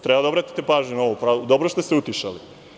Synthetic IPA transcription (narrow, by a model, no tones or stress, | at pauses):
t̪ɾɛbad̪obɾat̪ʲi̥t̪epaːʒɲunaoʋupɾaːld̪obɾost̪est̪eut̪iʃa̰li